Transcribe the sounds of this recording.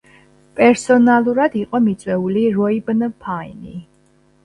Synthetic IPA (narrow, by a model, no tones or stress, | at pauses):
pʼɛɾsɔnalˠuɾad̪iqʼɔmit̪sʼwɛuliɾɔibnpʰaini